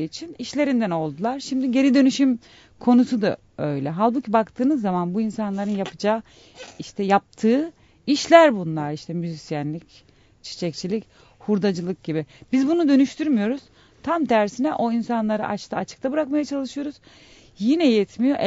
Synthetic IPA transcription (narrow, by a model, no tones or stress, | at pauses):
it͡ʃʰiniʃlʲe̞ɾind̪æno̞lˠd̪ulˠaɾʃimd̪iɟe̞ɾid̪ø̞nyʃym | kʰo̞nusud̪a̰ | ø̞̰jlʲɛɦalʲˠbucʰibakt̪ʰɯːnɯzːamanbuinsanlˠaɾɯnjapʰɯd͡ʒaː | iʃt̪ʰɛjap̚t̪ʰɯː | iʃlʲæɾbunlˠaɾiʃt̪ʰɛmyzisijænlʲic | t͡ʃʰi̥t͡ʃʰɛc̚t͡ʃʰilʲic | huɾd̪ad͡ʒɯlˠɯk̚ɟibibizbunud̪ø̞nyʃt̪ʰyɾmijo̞ɾuz̥ | t̪ʰamt̪ʰæɾsinɛʔo̞insanlˠaɾɯ̰ʔat͡ʃt̪ʰaat͡ʃʰɯ̥kt̪ʰabɯɾakmajat͡ʃʰalˠɯʃɯjo̞ɾuz | jinɛjɛt̪ʰmijo̞ʔɛ